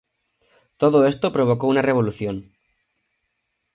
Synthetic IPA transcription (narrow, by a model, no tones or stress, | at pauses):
t̪o̞ðoe̞st̪opɾo̞β̞o̞kounare̞β̞o̞luθjo̞n